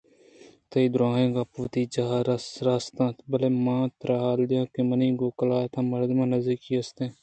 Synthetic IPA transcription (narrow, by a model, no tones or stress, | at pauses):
t̪əiːd̪ʊɾãːɦẽːɡaːpʊʋt̪iːd͡ʒaːɾsɾaːst̪ãːt̪bəleːmãːt̪ɾaːɦaːld̪ɪjãːkemənĩːɡoːkəlaːt̪ʰãːməɾd̪mãːnəziːkiːəst̪ẽː